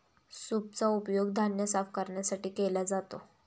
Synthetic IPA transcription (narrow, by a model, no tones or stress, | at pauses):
sup̚t͡saupjoɡd̪ʱanjəsafkəɾɳjasaʈiːkelad͡zat̪o